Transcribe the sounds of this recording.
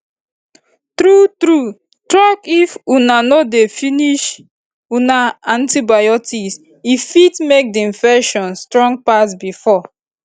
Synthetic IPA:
tɾutɾu | tɾakifunanɔdefiniʃ | unaãntibajɔtʰis | ifitmek̚diĩnfɛkʃɔ̃nstɹɔ̃ŋɡ̚pas̬bifɔ

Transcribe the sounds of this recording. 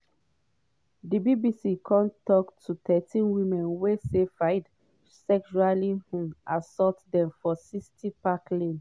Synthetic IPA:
dibibisikʰɔ̃ntːɔktʰutʰɛtʰĩnwĩmɛ̃nwesefajd | sɛkʃualihũʔasɔtdɛ̃mfɔsistʰipaklĩn

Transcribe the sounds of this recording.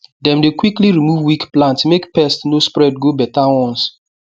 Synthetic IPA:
dɛ̃mdekwikliɹimuvwikplãntmekpɛstnospɹɛdɡobɛtawɔ̃ns

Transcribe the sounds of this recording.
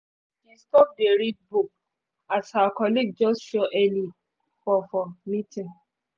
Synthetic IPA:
d̥iskɔp̚deɾid̚buk̚ | athawakɔliɡ̚d͡ʒɔsʃɔʔɛli | fɔfɔmĩtĩ

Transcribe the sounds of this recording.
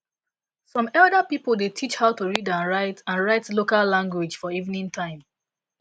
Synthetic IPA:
sɔ̃mɛlˠdapipolˠdetʰit͡ʃhaʊtuɹidãnɹaɪtãnɹaɪtlokalːãŋɡwid͡ʒfɔivnĩntʰãɪ̃m

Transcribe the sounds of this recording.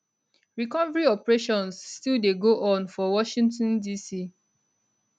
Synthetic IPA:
ɹikɔvəɹiɔpɹeʃɔ̃nsːtildeɡoʔɔ̃nfɔwɔʃĩntɔ̃ndisi

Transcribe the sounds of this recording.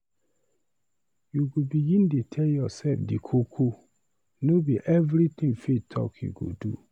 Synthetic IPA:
juɡobiɡĩndetʰɛljɔsɛlfdikʰokʰo | nobiʔɛvɾit̪ĩŋfetʰɔ̰kʰjṵɡo̰dṵ

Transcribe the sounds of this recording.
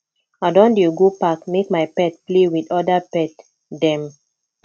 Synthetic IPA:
adɔ̃ndeɡopakmekmajpɛt̚plewidɔdapɛt | dɛ̃m

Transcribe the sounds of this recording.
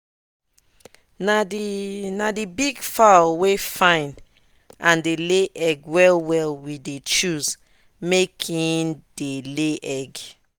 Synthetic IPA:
n | nadibiɡfawefãɪ̃n | ʔãndeleʔɛɡwɛlwɛlwidet͡ʃuz | mekʰĩndeleʔɛɡ

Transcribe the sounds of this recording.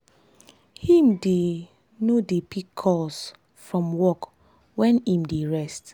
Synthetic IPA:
hĩmde | nodepikʰːɔs | fɹɔ̃mwɔk | wɛ̃nĩmdeɹɛst

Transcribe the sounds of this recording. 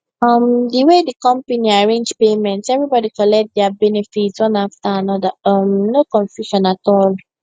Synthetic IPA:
ɔmdiwedikɔ̃mpaniaɹẽnd͡ʒpemɛ̃ntsɛvɹibɔdikɔlɛk̚t̚dɛabɛnɛfitswɔ̃naftaanɔdaɔmnokɔ̃ɱfjuʃɔ̃natɔl

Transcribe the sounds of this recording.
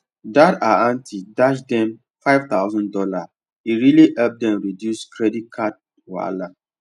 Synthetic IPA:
dataãntʰidaʃdɛ̃m | faɪvt̪aʊzɔ̃ndɔla | iɹiliʔɛp̚dɛ̃mɹidjuskɾɛdit̚kʰat̚ | wa̰la

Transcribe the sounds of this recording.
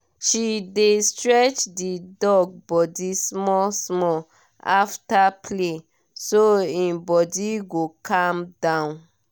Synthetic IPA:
ʃidestɹɛt͡ʃdidɔɡ̚bɔdismɔsmɔ | a̰ftapʰle | soĩnbɔdiɡokʰãmdãʊ̃n

